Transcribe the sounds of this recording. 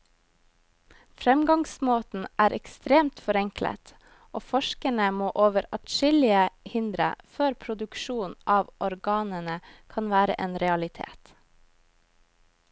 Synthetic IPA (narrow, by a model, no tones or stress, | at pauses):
fɾɛmɡɑŋsmoːt̪n̩ʔæːɾʔɛkst̪ɾeːmt̪fɔɾɛŋklə̰t̪ | ʔoːfɔʃkənəmoːʔoːʋəɾɑt̪ʃɪlɪəhɪnd̪ɾə̰føːɾpʰɾʊd̪ʉkʃuːnʔɑːʋʔɔɾɡɑːnənəkʰɑnʋæːɾə̰ʔeːnɾɛɑlɪt̪ʰḛːt̪